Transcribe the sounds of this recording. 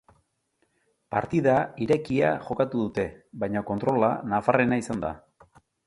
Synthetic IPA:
pa̰ɾt̪iðaiɾe̞kia̰ʝo̞kat̪uðut̪e̞βajɲoko̞nt̪ɾo̞lanafare̞naisand̪a̰

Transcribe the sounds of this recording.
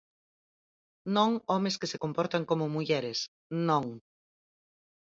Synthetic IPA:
nõŋɔmeskɪsɪkompɔɾt̪aŋkomʊmuʎɛɾɪs | nõŋ

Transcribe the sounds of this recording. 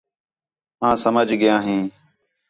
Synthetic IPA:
mãːsəməd͡ʒʱɡɪjãːɦĩː

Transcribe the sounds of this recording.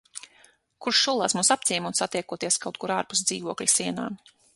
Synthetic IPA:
kuɾʃʃulˠaːsmuːsapt̪iɛmuɔt̪sat̪iɛkuɔt̪iɛskawt̪̚kuɾaːɾpu̥sd̪ziːvuɔklʲisiɛna̰ː

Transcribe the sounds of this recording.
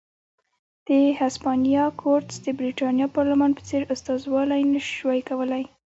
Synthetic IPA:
d̪̥əhaspɑnijɑkʰoɾt̪sd̪əbɾiʈɑnjɑpɑɾlamɑnpə̥t͡seɾʊst̪ɑzwɑlajnəʃwajkawəlaj

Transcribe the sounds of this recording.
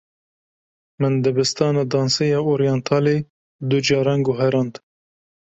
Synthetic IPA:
mɨnd̪ɨbɨst̪ɑːnɑd̪ɑːnsejɑːoɾijɑnt̪ʰɑːle | d̪ud͡ʒɑːɾɑnɡʊɦɛɾɑːnt̪

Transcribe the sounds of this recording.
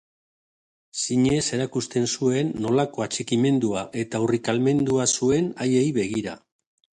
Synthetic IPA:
siɲe̞se̞ɾakust̪e̞nsue̞nːo̞lako̞at͡ʃekime̞nd̪uaʔe̞t̪aurikalme̞nd̪uasue̞najejβe̞ɣ̞iɾa̰

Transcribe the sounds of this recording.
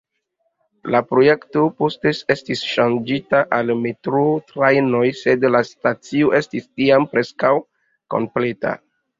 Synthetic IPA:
lapɾo̞je̞kto̞postesestisʃand͡ʒitaʔalmetɾotɾajno̞jse̞dlastat͡sioʔe̞stistiampɾe̞skaw | ko̞̰mple̞ta̰

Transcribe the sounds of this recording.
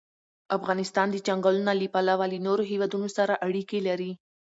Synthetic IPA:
afɣɑnɪst̪ɑnd̪əd͡ʒaŋɡalnalipalawalinoɾoɦewɑd̪unosaɾaʔaɽikelaɾi

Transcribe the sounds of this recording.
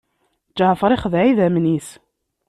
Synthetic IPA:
d͡ʒəʕfəɾˤiχəðʕiðæmnis

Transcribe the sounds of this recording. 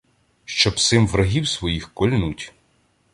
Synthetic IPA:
ʃt͡ʃɔbsɪmʋɾɐɦʲiwsʋɔjixkɔlʲnutʲ

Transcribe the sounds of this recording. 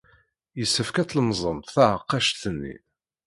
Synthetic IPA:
jəsːəfkæt͡slmzˤənt̪θaʕəqːɑʃθənːḭ

